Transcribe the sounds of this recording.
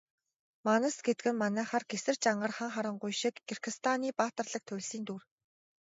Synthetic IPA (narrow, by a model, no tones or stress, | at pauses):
manə̆sɡet̪ɡɘ̆mːanæːχarɡesɘ̆rt͡ɕaɴɢə̆rχə̆ŋχaɾə̆ɴɢʊjʃĭkːirɡɘ̆st̪ʰaniːpaːt̪ə̆rɮə̆k̚t̪ʰʊwʲɮsiːnt̪uːr